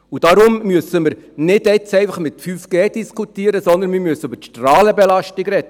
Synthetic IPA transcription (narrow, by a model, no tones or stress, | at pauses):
ud̥ɑɾʊmːyəsəməɾnɪdɛt͡sɛɪfɑχmɪt̪fyːfɡ̥eːd̥iskʰutiəɾəsɔnd̪ənmɪmyəsəybətʃtrɑːləbɛlɑʃtiɡɾɛd̥ə